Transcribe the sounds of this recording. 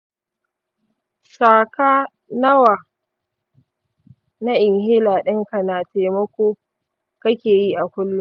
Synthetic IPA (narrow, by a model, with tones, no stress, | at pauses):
saː˨kaː˦ | nɐ˦waː˨ | na˦ʔɪ˨ŋhɪ˦laː˨ɗɪ˦ŋka˨naː˨teː˨mɐ˦kʷoː˦ | kɐ˦kʲeː˨ji˦ʔa˨kʷʊ˦lːʊ˦ŋ